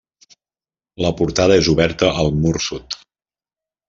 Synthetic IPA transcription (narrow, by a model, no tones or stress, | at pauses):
ləpuɾt̪aðəezuβɛɾt̪əʔːlˠmuɾsut̪